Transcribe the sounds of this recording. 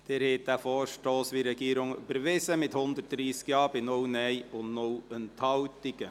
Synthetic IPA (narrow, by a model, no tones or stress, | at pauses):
d̥eːɾheːt̪ːæfoːʃʈoːsʋiɾɛɡ̥iːɾʊŋy̰bəɾʋɪsəmɪt̪hʊnd̪əɾt̚d̥̪ɾiːskjɑːbɪnownɛɪʊnnowənt̪ʰhɑwt̪ɪɡə